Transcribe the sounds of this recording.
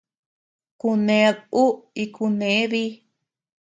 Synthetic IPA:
ku˧nẽ˨˦˧ðu˦i˧kʰu˧nẽ˨˦ði˦

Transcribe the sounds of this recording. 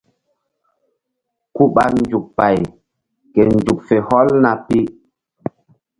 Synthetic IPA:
ku˦ɓa˦k̚n̩˦d͡ʒu˨k̚pa˨j | ke˨n˨d͡ʒu˨k̚fe˨hɔ˦lna˨pi˦

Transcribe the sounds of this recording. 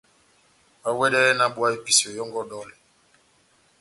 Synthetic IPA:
a˦wɛ˦ɗɛ˦na˦ɓwa˦i˦pi˨si˨ɔ˨jɔ˦ŋɡɔ˦ɗɔ˦lɛ˨

